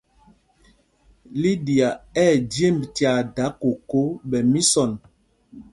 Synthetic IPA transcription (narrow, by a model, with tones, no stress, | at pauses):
li˦di˨a˨ɛː˦˨dje˦˨mbti˨a˨da˨˦ko˨ko˦ɓɛ˨mi˦sɔ˨n